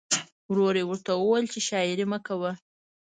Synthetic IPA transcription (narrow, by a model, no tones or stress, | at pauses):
wɾoɾewəɾt̪awəwajlt͡ʃeʃɑɪɾiməkawə